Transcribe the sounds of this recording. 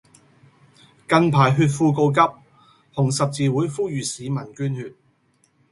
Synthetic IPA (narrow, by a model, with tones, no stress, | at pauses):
kɐ˧npʰaː˨˩jɦyː˧t̬̚fuː˧ko˧wk̬ɐ˥p̚ | hʊ˨˩ŋsɐ˨p̚t͡siː˨wuː˨˥jfuː˥jyː˨siː˨˧mɐ˨˩nkyː˥nhyː˧t̚